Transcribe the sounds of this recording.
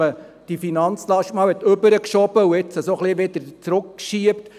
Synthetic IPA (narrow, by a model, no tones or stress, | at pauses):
ə | d̥ifinɑnt͡slɑʃtmɑːlɛt̪ɵbəɾəkʃɔb̥əuɪt͡səsoχliʋɪd̥̪əɾt͡sɾʊkːʃiəpt